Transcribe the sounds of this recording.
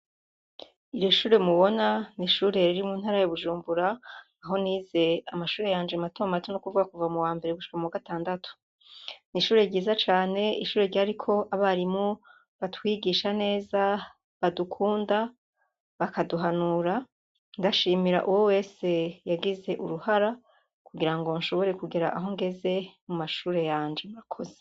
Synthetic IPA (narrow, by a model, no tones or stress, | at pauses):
ijoʃuːɾe̞muβo̞naniʃuːɾe̞ɾiɾimuːn̥haːɾajoβuʒuːmbuɾaː | ɦo̞niːze̞amaʃuːɾe̞jaːnd͡ʒematomamatʰonokuvuɡakuvamuwaːmbe̞ɾeɡuʃi̥kamuwaɡataːndatu̥ | niʃuːɾe̞ɾɟiːzat͡ʃaːne̞iʃuːɾe̞ɾɟaɾikʰo̞ʔaβaɾimo | βatwiɡiːʃane̞ːza | βadukʰuːnda | βakaduɦanuɾa | ndaʃiːmiɾa̰ʔuwo̞we̞ːse̞jaɡize̞ʔuɾuhaɾa | kuɡiɾaŋɡo̞nʃo̞βo̞ɾe̞kuɡiɾaʔaɦo̞ŋɡe̞ze̞mumaʃuːɾe̞jaːnd͡ʒe̞muɾakʰo̞ze̥